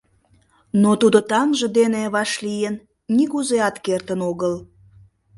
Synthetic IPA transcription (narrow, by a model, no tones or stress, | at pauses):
not̪ud̪ot̪ɑŋʒə̆d̪eneβɑʃlijenː | iɣuzeɑt̪kert̪ənoɣəl